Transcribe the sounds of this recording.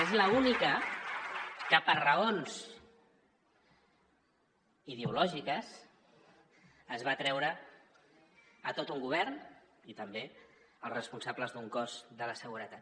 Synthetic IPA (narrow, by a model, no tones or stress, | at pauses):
ezləunikə | kəpərəonz | iðeulɔʒikəs | əzβat̪ɾɛwɾə | ət̪ot̪uŋɡuβ̞ɛrn | it̪əmbe | əlˠsrəspunsabləzðuŋkɔzðələsəɣ̞uɾət̪at̪